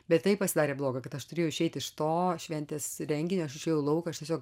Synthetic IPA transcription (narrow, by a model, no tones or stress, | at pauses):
bʲɛt̪t̪ːɐɪpɐsʲɪd̪ɑːɾʲeːblˠoːɡɐkɐt̪ɐʃt̪ʊɾʲeːjoʊɪʃʲɛɪt̪ɪʃt̪oːʃʲʋʲɛnʲt̪ʲeːsɾʲɛŋʲɡʲɪnʲoːɐʃɪʃʲɛːjɛʊlˠɐʊkɐɐʃtʲɛsʲoːk